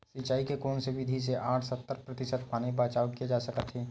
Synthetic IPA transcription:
sit͡ʃaːikekɔːnseʋɪd̪ʱis̬eʔaːʈʰsət̪ːəɾpɾət̪ɪʃəd̪̚paːnibaːt͡ʃaːʋkied͡ʒaːsəkət̪ɦɛː

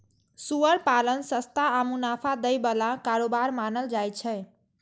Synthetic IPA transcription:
suəɾpalənsəst̪aamunapʰad̪əjbəlakaɾobaɾmanəld͡ʒajt͡ʃʰɛ

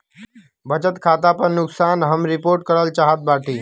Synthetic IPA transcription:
bət͡ʃət̪kʰat̪apəɾnʊksanɦəmɾipoɾʈ̚kəɾəlt͡ʃaɦət̪̚baʈʰi

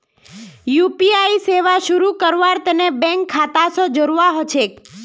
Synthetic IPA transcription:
jupiaiseʋaʃuɾukəɾʋaɾt̪ənebɛ̃ŋkʰːat̪asɔd͡ʒəɾʋaɦot͡ʃʰek

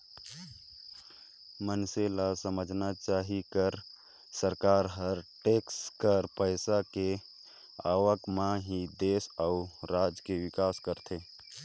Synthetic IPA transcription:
mənselasəməd͡ʒʱnat͡ʃaːɦikəɾ | səɾkaːɾɦəɾʈeːkskəɾpəɪsake | aːwəkmãɦid̪eːsaʊɾaːd͡ʒkeʋɪkaːskəɾt̪ʰe

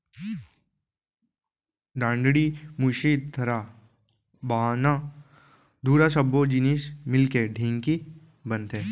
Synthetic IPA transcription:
ɖãːɳɖɽimʊʃiːd̪̚d̪ʰʱɐɾa | baːna | d̪ʱuːɾaʃɐbːod͡ʒɪnismɪlkeɖʱɪ̃ŋɡki | bə̃nt̪eː

